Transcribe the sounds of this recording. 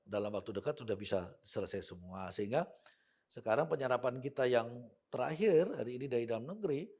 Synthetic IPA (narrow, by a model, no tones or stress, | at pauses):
dalamwak̚t̪udəkat̪sudahbisasələsajsəmuasəɦiŋɡa | səkaɾaŋpəɲəɾapankit̪ajaŋt̪əɾa̰ɦɪrha̰ɾiːnidaɾidalamnəɡɾi